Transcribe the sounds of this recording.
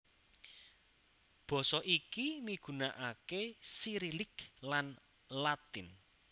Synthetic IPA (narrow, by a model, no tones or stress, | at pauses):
b̥ɔ̤sɔʔikimiɡ̥ṳnaʔakesiɾilɪklan | lat̪ɪn